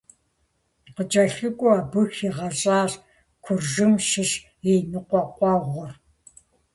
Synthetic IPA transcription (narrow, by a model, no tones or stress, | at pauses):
qət͡ʃʼɐɬɨkʷʼʊaːbɨxiʁɐɕʼaːɕ | kʷʰʊrʒɨmʃɪʂ | enɨqʷɔqʷʼɑːʁʷʊr